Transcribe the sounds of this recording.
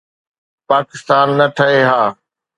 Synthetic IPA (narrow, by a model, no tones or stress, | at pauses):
paːkɪst̪aːnːɐʈʰəɦeɦaː